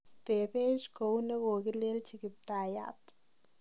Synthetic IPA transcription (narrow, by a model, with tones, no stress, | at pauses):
t̪e˨pe˦ʃko˨wne˦ɡo˨ɡi˦le˦lt͡ʃi˧ɡi˨p̚t̪a˨ja̰˨t̪